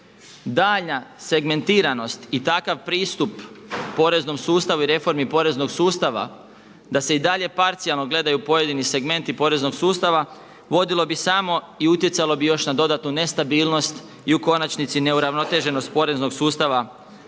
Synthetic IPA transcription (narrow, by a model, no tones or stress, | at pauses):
d̪aːʎnase̞ɡme̞nt̪iːɾano̞st̪it̪akaʋpɾiːst̪upːo̞ɾe̞zno̞msuːst̪aʋuiɾe̞fo̞ɾmipo̞ɾe̞zno̞ɡsuːst̪aʋa̰ | d̪ase̞id̪aʎe̞paɾt̪sialˠno̞ɡle̞d̪ajupo̞je̞d̪inise̞ɡme̞nt̪ipo̞ɾe̞zno̞ɡsuːst̪aʋa | ʋo̞d̪ilo̞bisamo̞ | iut̪je̞t̪salˠo̞bijo̞ʃnad̪o̞d̪at̪nune̞st̪abiːlˠno̞st̪ | iuko̞nat͡ʃnit̪sine̞uɾaʋno̞t̪e̞ʒe̞no̞st̪̚po̞ɾe̞zno̞ɡsuːst̪aʋa